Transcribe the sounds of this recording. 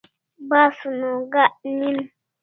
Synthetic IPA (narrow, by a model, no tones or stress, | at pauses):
basunoɡaʔnin